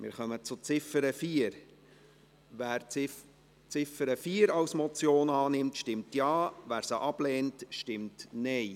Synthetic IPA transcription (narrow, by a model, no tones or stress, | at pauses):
mɪ̰ːɾχœmət͡sʊt͡sɪfəɾəfiːəɾ | ʋæːɾɪ | t͡sɪfəɾəfiːəɾɑwsmɔt͡sjoːnɑːnɪmtʃtɪmtjɑːvæːɾsəʔɑb̥lɛːntʃtɪmtnɛɪ